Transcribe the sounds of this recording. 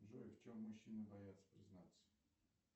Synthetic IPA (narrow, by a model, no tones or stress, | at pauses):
ʐoft͡ɕomːʊɕːinəbɐjat̪sə̥pɾʲɪznat̪sə̥